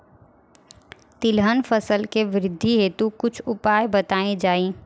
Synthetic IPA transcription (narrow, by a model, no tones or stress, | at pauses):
t̪ɪlɦənfəsəlkeʋɪɾɪd̪ʱːiɦeːt̪ukʊt͡ʃʰʊpaːjbɐt̪aːẽd͡ʒaːĩ